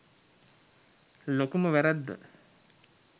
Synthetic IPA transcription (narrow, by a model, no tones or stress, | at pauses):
lokuməʋæɾæd̪ːə̰